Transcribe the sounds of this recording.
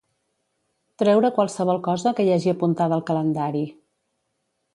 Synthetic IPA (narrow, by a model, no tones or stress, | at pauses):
t̪ɾɛwɾəkwalˠsəβ̞ɔlˠkɔzəkəjaʒiəpunt̪aðəlˠkələnd̪aɾi